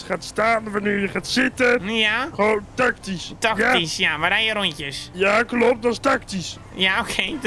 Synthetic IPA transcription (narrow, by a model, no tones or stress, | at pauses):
χaːtstaːnʋaneːɹjəχaːtsɪtəjaxoːntaktistaktisjamʋadɛjjəɾoncəsjaklɔp̚t̚dɔstaktis | jaokʰe